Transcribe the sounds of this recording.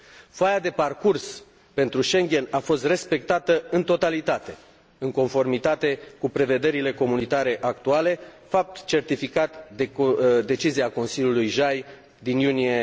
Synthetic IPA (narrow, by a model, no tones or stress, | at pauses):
fajad̪e̞parkurs | pe̞nt̪ɾuʃe̞ŋɡʲe̞nafo̞st̪re̞spe̞k̚t̪at̪əɨnt̪o̞t̪alit̪at̪e̞ | ɨŋko̞nfo̞rmit̪at̪e̞kupɾe̞ve̞d̪e̞ɾile̞ko̞munit̪aɾe̞ʔak̚t̪uale̞ | fap̚t̪t͡ʃe̞rt̪ifikat̪d̪ed̪e̞t͡ʃiziako̞nsilʲjulujʒaj | d̪injunije̞